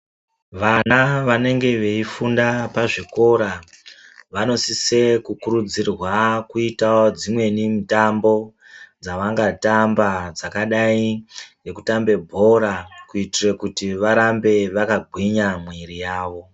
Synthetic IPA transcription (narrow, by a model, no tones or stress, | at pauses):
ʋanaʋane̞ŋɡe̞ʋe̞ifundapaʐiko̞ɾa | ʋano̞sise̞kukuɾud͡zirwakuitaod͡zimwe̞nimitambo̞ | d͡zaʋaŋɡatambad͡zakaɗaine̞kutambe̞bʱo̞ɾakuitirekutiʋaɾambe̞ʋakaɡʱwiɲamwirijaːʋo̞